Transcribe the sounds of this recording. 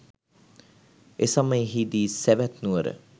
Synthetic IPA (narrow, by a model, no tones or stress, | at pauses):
esaməjɦid̪iːsæʋæt̪nuʋəɾə̰